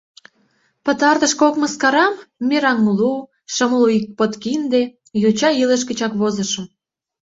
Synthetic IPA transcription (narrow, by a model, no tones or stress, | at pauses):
pə̆t̪ɑrt̪ə̆ʃkokməskɑɾɑmːeɾɑŋːulu | ʃə̆mluik̚pot̪kind̪e | jut͡ɕɑiləʃ̬kət͡ɕɑkβozə̆ʃə̆m